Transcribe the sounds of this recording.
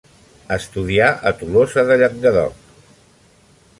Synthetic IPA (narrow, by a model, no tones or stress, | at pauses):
əst̪uðiaʔət̪ulozəðəʎək̚d̪əðɔ̰